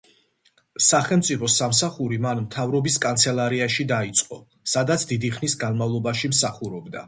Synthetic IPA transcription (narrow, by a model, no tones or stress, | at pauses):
saχɛlˠmt̪sʼipʰɔsamsaχuɾimanmt̪ʰavɾɔbiskʼant̪sʰɛlˠaɾiaʃid̪ait̪sʼqʼɔ | sad̪at̪sʰd̪id̪iχnisɡanmavlˠɔbaʃimsaχuɾɔbd̪a̰